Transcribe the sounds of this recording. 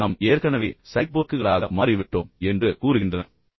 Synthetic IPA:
ɐmeːɾkɐnɐʋeːsɐɪk̚boːkːɯɣɐɭaːɣɐmaːɾiɪʋɪʈːoːmɛndrɯkuːɾɯɣɪndrɐnɐ

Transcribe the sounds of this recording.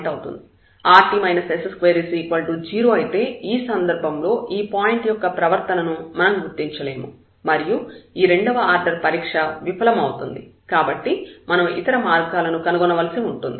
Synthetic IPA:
ʈɐwt̪ṵnd̪i | aːʈiːmɐjnɐsesɐskʋeːɾiːsiːkʋɐlʈud͡ʒiːɾoːɐjit̪e̞ːiːsɐnd̪ɐɾbʱɐmlo̞ːʔiːpaːjiɳʈjɔkːɐpɾɐʋɐɾt̪ɐnɐnumɐnɐmɡuɾt̪ːiɲt͡ʃɐle̞ːmu | mɐɾijuiːɾe̞ɳɖɐʋɐaːɾɖɐɾpɐɾiːkʂɐʋipʰɐlɐmɐwut̪und̪i | kaːbɐʈːimɐnɐmit̪ɐɾɐmaːɾɡaːlɐnukɐnuɡɔnɐʋɐlɐsiuɳʈund̪i

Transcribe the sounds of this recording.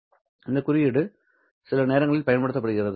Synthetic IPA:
ɪnd̪ɐkːʊɾɪjɪɽɯ | sɪlɐneːɾɐŋɡɐɭɪlpɐjɐnpɐɽɯt̪ːɐpːɐɽɯɣɪrɐðɯ

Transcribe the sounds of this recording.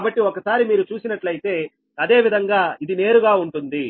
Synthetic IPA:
bɐʈːiokɐsaːɾimiːɾut͡ʃuːsinɐʈlɐjit̪e̞ː | ɐd̪e̞ːʋid̪ʱɐŋɡaːid̪ine̞ːɾuɡaːuɳʈund̪i

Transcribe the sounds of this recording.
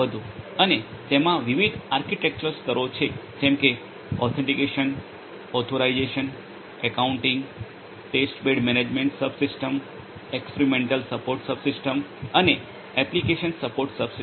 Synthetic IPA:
əd̪ʱũənet̪emãʋiʋid̪ʱaɾkiʈek̚t͡ʃəɾsk̪əɾot͡ʃʰed͡ʒɛ̃mke | ɔt̪ʰẽɳʈikeʃən | ɔt̪ʰoɾaid͡ʒeʃən | ɛkauɳʈĩŋɡ | ʈesʈbeɖmɛned͡ʒmẽɳʈsəbsisʈəm | ekspeɾimẽɳʈəlsəpoɾʈsəbsɪsʈəməne | ɛplikeʃənsəpoɾʈsəbsi

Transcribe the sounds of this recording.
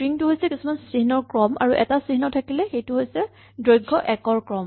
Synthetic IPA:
ɹiŋtʊɦojsɛkisumansɹiɦnɔɹkɹɔmʔa̰ɹuʔɛtasɹiɦinɔtʰakilɛxejtʊɦojsɛ | dɹojɡʱːɔʔɛkɔɹkɹɔm

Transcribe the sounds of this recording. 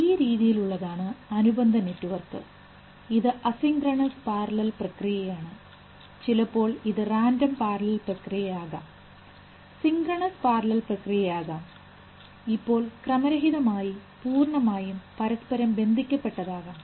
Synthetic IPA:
iːjɐɾiːðijiluɭːɐðaːɳɨɐnubɐnd̪ʱɐnetːuʋɐrk̪ɨ̰ | iðɨʔɐsiŋɡrɐɳɐspaːrɐlɐlprɐkrijɐjaːɳɨ | t͡ɕilɐpːo̞ːɭiðɨraːndɐmpaːrɐlɐlprɐkrijɐjaːɣaːm | siŋɡrɐɳɐspaːrlɐlprɐkrijɐjaːɣaːm | ipːo̞ːɭkrɐmɐɾɐɦiðɐmaːjipuːrɳɐmaːjumpɐɾɐspɐɾɐmbe̞nd̪ʱikʲːɐpːe̞ʈːɐðaːɣaːm

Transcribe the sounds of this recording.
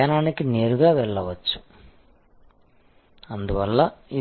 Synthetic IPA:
anaːnikine̞ːɾuɡaːʋɛɭːɐʋɐt͡ʃːu̥ | ɐnd̪uʋɐlːɐi

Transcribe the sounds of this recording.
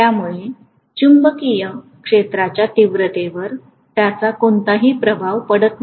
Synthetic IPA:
t̪jamuɭe | t͡ɕumbəkijəkʂet̪ɾat͡ɕjat̪iʋɾət̪eʋəɾ | t̪jat͡sakont̪aɦiːpɾəbʱaʋpəɽət̪n

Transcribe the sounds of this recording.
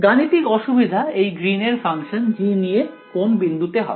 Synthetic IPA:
ɡanit̪ikɔʃubid̪ʱaejɡɾineɾfaŋʃond͡ʑinije | konbind̪ʱut̪eɦɔbe

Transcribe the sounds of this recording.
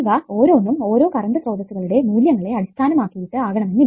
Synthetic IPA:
ʋɐo̞ːɾo̞ːnːumo̞ːɾo̞ːkɐrɐnd̪ɐsroːd̪ɐt̪ːuɣɐɭuɽe̞muːljɐŋːɐɭe̞ɐɽist̪ʰaːnɐmaːkːijiʈːɨaːɡɐɳɐmenːi

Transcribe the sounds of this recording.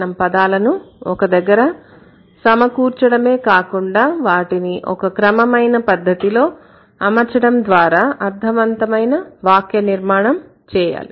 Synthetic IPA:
ɐmpɐd̪aːlɐnuɔkɐd̪ɐɡːɐɾɐ | sɐmɐkuːɾt͡ʃɐɽɐme̞ːkaːkuɳɖaːʋaːʈiniʔɔ̰kɐkɾɐmɐmɐjnɐpɐd̪ʱːɐt̪ilo̞ː | ɐmɐt͡ʃɐɽɐmd̪ʋaːɾaːʔɐɾd̪ʱɐʋɐnt̪ɐmɐjnɐʋaːkjɐniɾmaːɳɐm | t͡ʃɛːja̰ːli

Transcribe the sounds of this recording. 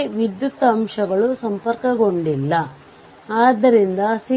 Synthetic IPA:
ʋid̪jut̪ːɐːmʂɐɡɐɭusɐmpɐɾkɐɡo̞ɳɖilːɐ | aːd̪ːɐɾind̪ɐsi

